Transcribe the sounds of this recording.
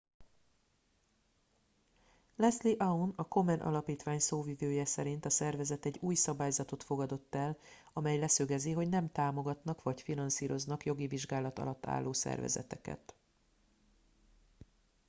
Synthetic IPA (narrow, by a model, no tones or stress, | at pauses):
lɛsliʔaunɒko̞mɛnʔɒ̰lɒpiːt̪ʋaːɲsoːvivøːjɛsɛɾint̪ɒsɛrvɛzɛt̪ɛɟːuːjsɒbaːjzɒt̪o̞t̪fo̞ɡɒd̪o̞t̪ːɛl | ɒmɛjlɛsøɡɛziɦo̞ɟnɛmt̪aːmo̞ɡɒt̪nɒkʋɒcfinɒnsiːɾo̞znɒkjo̞ɡiviʒɡaːlɒt̪ɒ̰lɒt̪ːa̰ːlːoːsɛ̰rvɛ̰zɛ̰t̪ɛ̰kɛ̰t̪